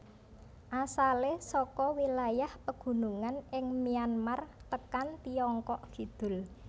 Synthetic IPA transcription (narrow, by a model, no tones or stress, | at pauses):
ʔasalesɔkɔwilajahpəɡ̥ṳnuŋanɪŋmianmart̪əkant̪iɔŋkɔʔfid̪̥ʊ̤l